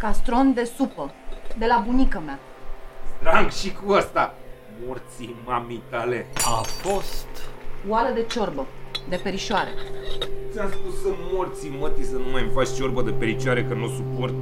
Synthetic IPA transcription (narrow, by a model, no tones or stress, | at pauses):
kast̪ɾo̞nd̪e̞supəd̪e̞labunikəmea | st̪ɾaɡʃikuast̪a | mort̪simamit̪ale̞afo̞st̪waləd̪e̞t͡ʃo̞rbəd̪e̞pe̞ɾiʃoaɾe̞̰t̪siaspusəmort̪simət̪isənumajmfat͡ʃʲt͡ʃo̞rbəd̪epeɾit͡ʃaɾekənosupo̞rt̪